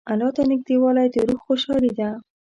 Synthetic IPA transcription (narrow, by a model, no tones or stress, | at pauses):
alɑt̪anɪk̚d̪iwalɑjt̪eɾuxxoʃɑlid̪a